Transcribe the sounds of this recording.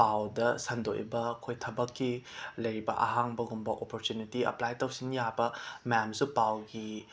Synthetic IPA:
pawdɐsɐndo̰ʔj̰bɐkʰojtʰɐbɐkʰːilɐjɾibɐ̰ʔɐ̰ɦaŋbɐɡumbɐʔopoɾtjunitiɐ̰plajtɐwsinjabɐmamsupawɡi

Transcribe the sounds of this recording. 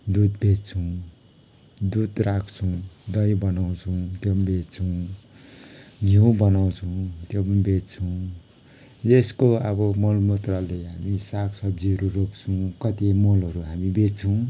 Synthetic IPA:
d̪ud̪bett͡sʰʌw̃ | d̪ud̪rakʰt͡sʰuw̃d̪ʌjbʌnaw̃t͡sʰuw̃t̪jombet͡sʰʌw̃ | ɡʱiw̃bʌnaw̃t͡sʰʌw̃t̪jombett͡sʰʌw̃ | jeskoʌbʌmʌlmot̪raleɦamisaksʌbd͡ziɾurokt͡sʰuw̃kʌt̪imʌlʌɾuɦamibett͡sʰʌw̃

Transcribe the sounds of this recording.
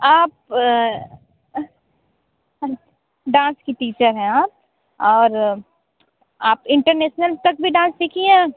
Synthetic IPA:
aːp̚ | ɖãːnskiʈiːt͡ʃəɾɦɛ̃aːp̚ | ɔːɾ | aːpɪ̃ɳʈəɾneːʃnəlt̪ɐk̚bʱiɖãːnssiːkʰiɛ̃ː

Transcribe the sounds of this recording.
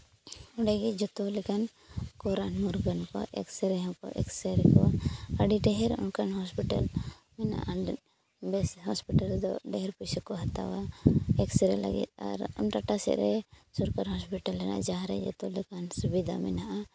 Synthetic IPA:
ɔɖɛɡid͡ʒɔt̪ɔlɛkan | kɔɾanmuɾɡɔnkɔ̰ʔɛ̰ksɛɾɛɦɛkɔ̰ʔɛ̰ksɛɾɛkɔaɖiɖɛɦɛɾṵnkanhɔspiʈal | mɛna̰ʔa | bɛshɔspiʈald̪ɔɖɛɦɛɾpusɔkɔɦat̪a̰waɛksɛɾɛla̰ɡḭt̪̚a̰ɾṵnɾaʈasɛ̰ʔɾɛsɔɾkaɾɦɔspiʈalːɛna̰ʔd͡ʒaɦaɾɛ̰d͡ʒɔ̰t̪ɔlɛkansubid̪a̰mɛnaʔa

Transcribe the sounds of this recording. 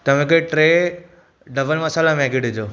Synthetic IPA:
t̪ɐʋẽkeʈɾeː | ɖɐbəlmɐsaːlamɛ̃ːɡɪɖɪd͡ʑoː

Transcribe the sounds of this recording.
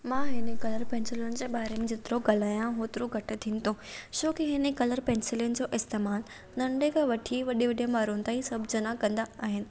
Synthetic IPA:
mãːɦɪnekɐləɾpɛ̃ːnsɪljənɪ̆d͡ʑeːɓaːɾemẽd͡ʑɪt̪ɪɾoɡɐlaːjãɦoːt̪ɾuɡʱɐʈɪ̆t̪ʰiːnɪ̆t̪ʰot͡ɕoːkiɦɪnekɐləɾpɛ̃ːnsɪljʊnd͡ʑoːʔɪst̪eːmaːl | nɐ̃ɳɖekʰãʋɐʈʰiʋɐɗiʋɐɗijə̃maːɾun̆t̪aːĩsɐbʱd͡ʑɐnakɐ̃nd̪aaːɦɪnɪ̆

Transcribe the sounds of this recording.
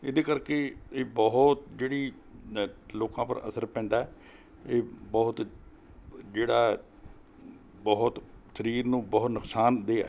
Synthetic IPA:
ɪd̪eːkəɾkeːeːbɔɦt̪d͡ʒeːɽiː | loːkãːpə̰ɾə̰səɾpɛ̃ːnd̪aːɛ | eːbɔːt̪ | d͡ʒeːɽaː | bɔɦʊt̪səɾiːɾnũːbɔːt̪nʊksaːnd̪eːa̰

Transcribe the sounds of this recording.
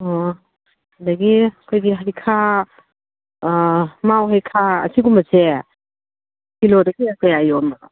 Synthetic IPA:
ɔ | adɐɡiɐkʰojɡiɦajkʰa | mawɦajkʰaɐ̰sʰiɡumɐse | pilodɐɡiɐkʰojajɔm

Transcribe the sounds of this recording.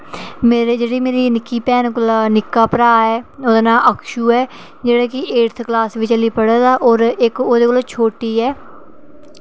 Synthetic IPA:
meːɾd͡ʒeːɽiːmeːɾiːnɪkːiːpɛːnklanɪkːaːpəɾaːɛːod̪naːʔəkʰʃuːɛː | d͡ʒeːɽaːkɪʔeːɾt̪ʰklaːsʋiːt͡ʃəliːpəɽaːd̪aːʔɔːɾɪkoːd̪eːkoloːt͡ʃʰoːʈiːɛː

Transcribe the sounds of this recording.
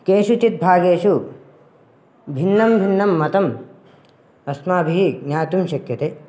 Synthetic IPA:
keːʃut͡ʃit̪̚bʱaːɡeːʃu | bʱinːɐmbʱinːɐmːɐt̪ɐm | ɐsmaːbʱiɦiɡnʲaːt̪umʃɐkjɐt̪eː

